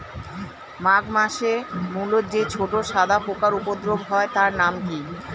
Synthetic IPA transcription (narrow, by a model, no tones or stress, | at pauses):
maɡmaʃemulot̪̚d͡ʑet͡ɕʰoʈoʃad̪ʱapokaɾupod̪ɾoɡɦɔet̪aɾnamki